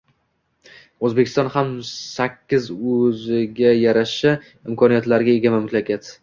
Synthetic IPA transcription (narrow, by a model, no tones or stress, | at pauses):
ɵzbekʲɪst̪ɒnhamsakʲʰːɪzɵzɪɡʲajaɾaʃɪ | ɪmkʰɒnijat̪laɾɡʲaeɡʲamamʊt̪lakʲat̪